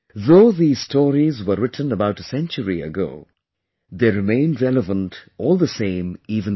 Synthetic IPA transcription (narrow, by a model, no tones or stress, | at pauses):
ðoʊðiz̥stʰɔːɹizwəːɪtʰn̩əbaʊʈəsɛ̃nt͡ʃəɹiə̰ɡo̰ʊ | ðeɾɨmẽɪ̃ndɹɛləvə̃ntɔːlˠðəsẽɪ̃miːvə̃n